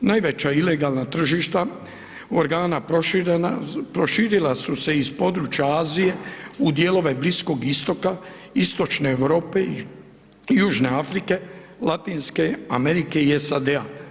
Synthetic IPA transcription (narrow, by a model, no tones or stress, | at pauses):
najʋe̞t͡ʃaile̞ɡaːlˠnat̪r̩ʒiːʃt̪a | oɾɡaːna | pɾo̞ʃiːɾilasuse̞ispo̞d̪ɾuːt͡ʃjaaːzije̞ud̪je̞ːlo̞ʋe̞blisko̞ɡist̪o̞ka | ist̪o̞t͡ʃne̞ːʋɾo̞ːpe̞ | juːʒne̞afɾike̞ | lat̪iːnske̞ame̞ɾike̞iesad̪ea